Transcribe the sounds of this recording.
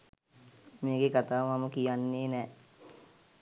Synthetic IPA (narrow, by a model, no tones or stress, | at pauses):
meːɡekat̪aːʋmaməkijanːeːnɛː